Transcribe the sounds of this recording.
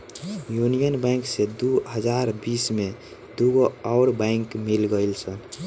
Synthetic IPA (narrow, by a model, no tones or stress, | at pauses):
junijənbɛ̃ŋksed̪uɦəd͡ʒaɾbisme | d̪uɡoɔːɾbãɪŋkmilɡəjlsən